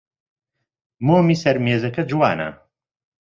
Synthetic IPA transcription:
moːmiːsɐɾmeːzɐkɐd͡ʒwa̰ːnɐ̰

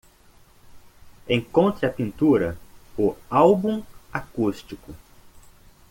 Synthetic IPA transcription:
ẽŋkõnt̪ɾɪɐpĩnt̪uɾɐʊawbũmakust͡ʃikʊ

